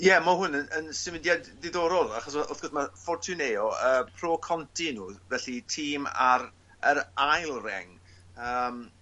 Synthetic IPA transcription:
jɛmaɦʊnənənsɪmɪdjadːɪðɔːɾɔlˠaχɔsɔʊθɡ̥ɔsmafɔrtʰuneɔəːpʰroːkʰɔntʰinuːvɛɬitʰiːma̰ɾ | əɾajlˠrɛ̰ŋ | əːm

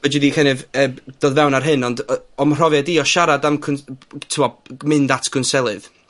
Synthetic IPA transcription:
vəd͡ʒɪðikɛnɨvəːd̥oːðvɛwnarɦɨnɔndɔmr̥ɔvjadiɔʃaɾadamkʰʊntʰɪwɔmɨndatʰɡ̥ʊnsɛlˠɨð

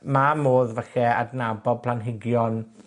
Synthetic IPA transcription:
mamoːðvɛɬɛa̰dnabɔd̚pʰlanɦɪɡjɔn

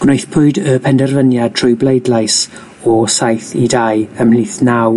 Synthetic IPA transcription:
ɡ̥nejθpʰʊɨdəpʰɛndɛrvənjad̚tʰrʊɨblˠejdlˠajs | ɔsajθidajəmhliːθnaw

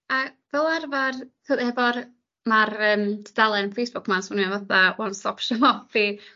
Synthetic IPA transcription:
avɛlˠarvarkoðhɛvɔr | marəːmdʰəd̥alˠɛnənfejsb̥ʊkʰmansunuavaθawɔnsɔpʃəmɔfi

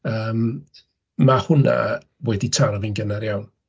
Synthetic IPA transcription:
əːm | mahʊna̰ | wɛditʰaɾɔvinɡənaɾjawn

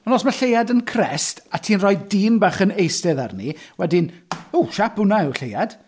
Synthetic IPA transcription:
ɔnɔsmaɬejadənkʰrɛstatʰiːnrɔjdiːmbaχənejstɛða̰rniwɛdɪnuʃapunaɪwɬejad̥

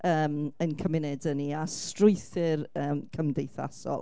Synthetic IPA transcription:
əːmənkʰəmɪnɛdəniastrʊɨθɪrəːmkʰəmdejθa̰sɔ̰lˠ

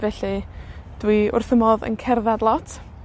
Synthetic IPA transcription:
vɛɬɨd̥wiʊ̰rθəmɔðə̰nkʰɛrðadlˠɔtʰ

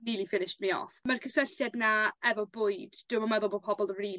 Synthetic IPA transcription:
nilˠifɪnɪʃtmiɔ̰ːfmarkʰəsəɬjɛdnaɛvɔbʊːɨdd̥ɪmɔmɛðʊlˠbod̚pʰɔbɔlˠəri

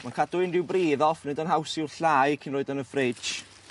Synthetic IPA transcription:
mankʰad̥ʊɪndɪwbriːðɔfnɪdənɦawsɪrɬaːjkʰɪnroːɨdənəfrɪ̥d͡ʒ

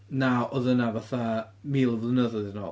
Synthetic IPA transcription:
nawʔɔðənavaθa | miːlˠəvlənəðɔðnɔ̰

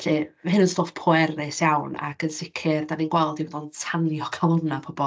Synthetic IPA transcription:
ɬemahɨnənstoːfpʰɔɛrɪsjawna̰kənsɪkʰɪrdaninɡwɛlˠdivɔdɔlˠtʰanjɔkʰalˠɔnapʰɔbɔ

